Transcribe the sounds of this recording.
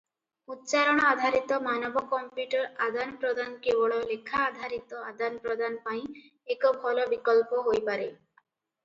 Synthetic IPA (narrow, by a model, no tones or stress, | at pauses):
ut̪t͡ʃaɾɔɽ̃ɔad̪ʱaɾit̪ɔmanɔbɔkɔmpjuʈɔɾad̪anpɾɔd̪ʱankebɔɭɔlekʰaːd̪ʱaɾit̪ɔad̪anpɾɔd̪ʱanpaĩ | ekɔbʱɔlɔbikɔlpɔɦojpaɾe